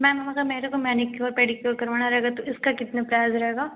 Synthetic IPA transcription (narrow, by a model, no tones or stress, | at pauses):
mɛ̃ːmamɐkameːɾekomɛːnɪkːeɔːɾpeːɽikoːlkɐɾʋaːnaɾɛɦeːɡat̪oʔɪskakɪt̪napɾjaːzɾɐɦeːɡaː